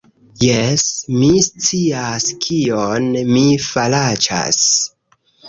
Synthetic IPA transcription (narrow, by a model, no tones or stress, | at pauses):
jesmist͡siaskʰionmifalat͡ʃa̰s